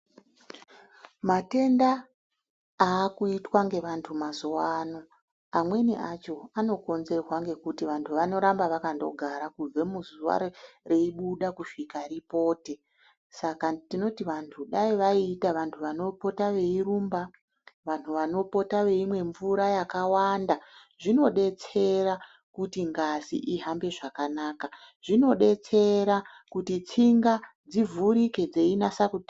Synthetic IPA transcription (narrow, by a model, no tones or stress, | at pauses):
mate̞ndaː | kuitwaŋɡe̞ʋantʰumazowano | amwe̞niat͡ʃo̞ano̞ko̞nze̞rwaŋɡe̞kutiʋantʰuʋano̞ɾambaʋakando̞̰ɡʱaɾakub͡ve̞muzuʋa̰reiɓuɗakuʃikaɾipo̞ːte̞ | sakatino̞tiʋantʰuɗaiʋaitaʋantʰuʋano̞po̞taʋe̞iɾuːmba | ʋantuʋano̞po̞taʋe̞imwe̞ɱvuɾajakawanda | ʐino̞ɗe̞t͡se̞ra | kutiŋɡazḭʔiɦambe̞ʐakanaːka | ʐ̥ino̞ɗe̞t͡se̞ɾa | kutit͡siŋɡa | d͡zivuɾike̞d͡ze̞inasakut